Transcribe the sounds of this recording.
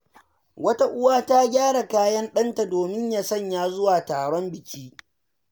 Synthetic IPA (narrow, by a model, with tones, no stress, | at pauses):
wɐ˦ta˦ʔʊ˦waː˦ta˦ɡʲaː˦ɽa˨kaː˦jɐ˦nɗɐ˦nta˨doː˨mɪ˦ɲjaː˦sɐ˦˨ɲjaː˦zʊ˦waː˨taː˨ɽɔ˦mbɪ˨kʲiː˦